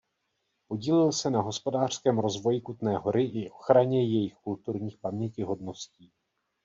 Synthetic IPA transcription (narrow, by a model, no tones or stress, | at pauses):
po̞ɟiːlɪlsɛnaɦo̞spo̞daːr̝̥skɛːmɾo̞zvo̞jɪkut̪nɛːɦo̞ɾɪʔɪʔo̞xɾaɲɛjɛjɪxkult̪uɾɲiːxpamɲɛcɪɦo̞dno̞sciː